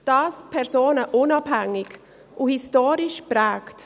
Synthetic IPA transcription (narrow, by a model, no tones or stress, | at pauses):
d̥ɑːspʰɛɾsoːnəʔʊnɑb̥hæŋːɪɡ | ʔuhistoːɾɪʃpɾɛːkt